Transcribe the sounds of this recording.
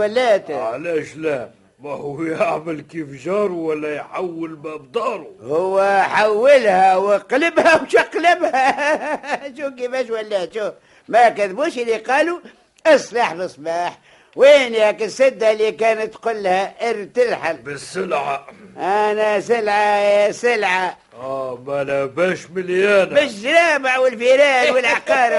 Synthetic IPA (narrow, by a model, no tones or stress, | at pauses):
ælːæːt̪ʕalæːʃlæ | mæhʊwjaʕməlkiːfʒɑːɾˤuwælːæjħawːəlmæbd̪ˤɑːɾˤuhʊwːħawːɪlhæwəqləbhæwʃɪqlɪbhæ | ʃuːk̬ifæːʃwælːæːt̪ʃu | mækæðbuːʃəlːiqɑːlu | ʔɨsˤlɑħbəsˤbɑːħ | winhækɪsɪd̪ːalːikæːnət̪ːqʊlːhæʔɪɾt̪ɪlħalbəsːəlʕaʔænæsɪlʕasɪlʕa | mælæbæʃmɪljæːnbɪʃzɾaːbaʕwɪlfiɾæːnwəlʕaqɑːɾə